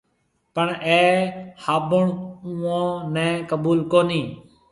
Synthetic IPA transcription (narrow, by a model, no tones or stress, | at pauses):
pəɳɛːhaːbʊɳũːãːnɛ̃ːkəɓuːlkoːniː